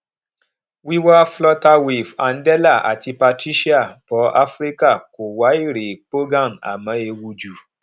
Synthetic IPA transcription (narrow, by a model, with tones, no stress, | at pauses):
wi˦wa˦flɔ˦ta˧wi˨va˨n̩˦dɛ˦la˦˨a̰˨ti˧pa˧ti˦ʃi˦a˦˨pɔ˨˦a˦fɾi˦ka˦˨ko˨wa˨˦i˦˨ɾe˨k͡po˦ɡa˦˨na̰˨mã˨˦e˧wu˧d͡ʒu˨